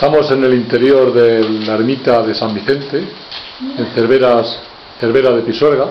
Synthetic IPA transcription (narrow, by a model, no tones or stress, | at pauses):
st̪amo̞se̞ne̞lint̪e̞ɾjo̞ɾðeaeɾmit̪aðe̞sambiθe̞nt̪e | enθeɾβeɾas | θeɾβe̞ɾaðe̞piswe̞ɾɣa